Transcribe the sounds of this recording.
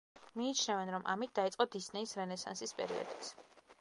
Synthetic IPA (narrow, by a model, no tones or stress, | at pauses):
miːt͡ʃʰnɛvɛnɾɔmʔa̰mit̪̚d̪ait̪sqʼɔd̪isnɛisɾɛnɛsa̰nsispʼɛ̰ɾḭɔ̰d̪it̪sʰ